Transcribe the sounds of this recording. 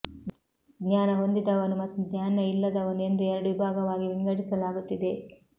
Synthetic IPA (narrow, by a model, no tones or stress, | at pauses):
ɡnaːnɐɦo̞nd̪id̪ɐʋɐnumɐt̪ːuɡnjaːnɐilːɐd̪ɐʋɐnue̞nd̪uɛɾɐɽuʋibʱaːɡɐʋaːɡiʋiŋɡɐɽisɐlaːɡut̪ːid̪e̞